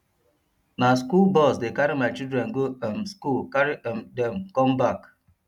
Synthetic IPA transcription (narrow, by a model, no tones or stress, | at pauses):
naskulbɔsdekaɾimaɪt͡ʃidɾɛnɡoamskulkaɾiɛmdɛmkɔmbak